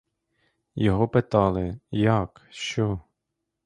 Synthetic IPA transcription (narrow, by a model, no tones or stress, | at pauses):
jɔɦɔpɪt̪ɑlˠɪjɐkʃt͡ʃɔ